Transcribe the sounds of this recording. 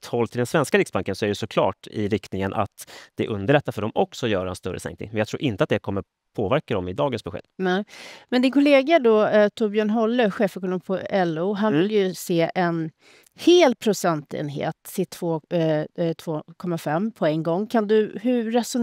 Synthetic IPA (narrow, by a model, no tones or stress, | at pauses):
t̪hɔlːt̪ɪld̪ɛnsvɛnskaɾɪksbaŋkənsɔæɾjɛsɔkʰlɑ̰ːʈɪ̰ɾɪkt̪nɪŋənʔa̰t̪d̪̥ɛʔɵnd̪əɭɛt̪ːafœɖɔmʔɔksɔjœːɾaɛnst̪ɵɾːə̰sɛ̰ŋkt̪nɪ̰ŋmɛnjɑɡt̪ʰɾuːɾʔɪnt̪əat̪d̪ɛkʰɔmːəɾ | pʰoːvæɾkad̪ɔmɪd̪ɑːɡənsbɛɧḛːd̪̥nɛmɛnd̪ɪnkʰʊleːɡaɖɔt̪ʰuːbjœːɳɦɔlːəɧeːfɛkɔnoːmpʰɔɛlːʊɦanvɪljɵseːʔɛn | heːlpʰɾʊsɛnt̪ḛːnɦḛːt̪sɪt̪ʰːvoː | t̪ʰvoːkʰɔmːafɛmːpʰɔɛŋɡɔŋːkʰand̪ɵɦɵɾɛsʊ